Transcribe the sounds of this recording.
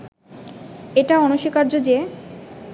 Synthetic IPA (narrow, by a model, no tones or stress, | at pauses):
eʈaɔnoʃikaɾd͡ʑod͡ʑe